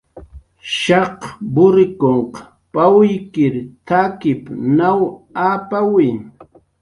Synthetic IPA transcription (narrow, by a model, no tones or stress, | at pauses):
ʃɑqbʊɾɪkoɴq | pawjkɪɾt̪ʰakɪpnawaːpawɪj